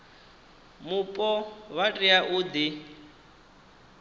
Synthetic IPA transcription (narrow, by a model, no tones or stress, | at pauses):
mupʼɔwatʼiaʔuːd̪i